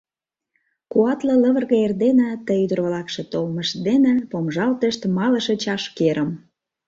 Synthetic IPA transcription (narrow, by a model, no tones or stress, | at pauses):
kuɑt̪lə̆ləβə̆rɣəerd̪enə̆t̪əjyd̪ərβlɑkʃĕt̪olməʃd̪enĕpomʒɑlt̪əʃt̪mɑləʃĕt͡ɕɑʃkeɾʔəm